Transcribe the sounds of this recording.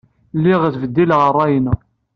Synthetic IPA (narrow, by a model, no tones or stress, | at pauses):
lːiʁəθvəd̪ːilʁərˤːɑjn